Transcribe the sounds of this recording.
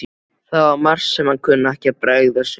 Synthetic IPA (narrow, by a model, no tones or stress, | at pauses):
θaðvaɾmar̥sːɛmhankʰʏnːaɛhcɪapɾaɣðas